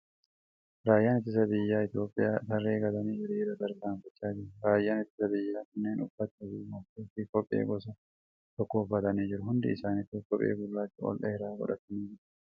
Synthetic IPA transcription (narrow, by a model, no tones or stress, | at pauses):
ɾaːjːaːnɪt̪ːɪs̬ɐbɪjːaːɪt̪jo̞ːpʼːɪjaːt̪ɐrːeːɡɐd̪ɐniːd͡ʒɪɾɾɐd̪ɐɾɡaːɱfɐt͡ʃːaːd͡ʒɪɾɾaːjːaːnɪt̪ːɪ̥sɐbɪjːaːkʊnːeːnʊfːɐt̪ɐdiːmɔt̪eːfikɔpʼːḛːɡɔsɐ | t̪ɔkːoːfːɐt̪ɐniːd͡ʒɪɾʊhʊnd̪ɪ̰ːsaːnɪt̪ːɪkɔpʼḛːɡʊlːaːt͡ʃːʊɔ̰lʔɐɛɾaːɡɔ̰ᶑɐ̰t̪ɐniːd͡ʒɪɾɐ̥